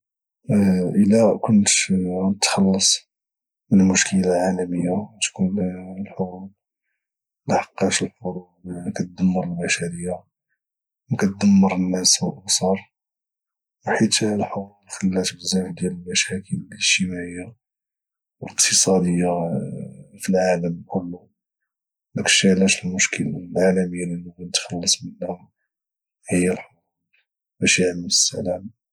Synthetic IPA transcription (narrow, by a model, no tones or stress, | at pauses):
ʔəlækʊnt̪nət̪xɑlːɑsˤ | mənlmʊʃkəlalʕalæməjːat̪kunlħoɾˤul | laħɑ̥qːɑʃəlfʊɾˤu | kæt̪̚d̪əmːəɾˤəlbæʃæɾəjːa | wkæt̪̚d̪əmːəɾˤənːæswəlʔɑbsˤɑɾˤ | wħit̪lħɑulxəlːæt̪bəzæfd̪jæləlmæʃækʰələəʒt̪əmæʕəjːa | wələq̚t̪ʰəsˤɑd̪əjːa | filʕaləmkʰʊlːu | lækʃæʕlæʃəlmʊʃkʰəllʕalæməjːaliluwænt̪xɑlːəsˤmənːæ | hiɾ | bæʃaʕləməsːæ̰læm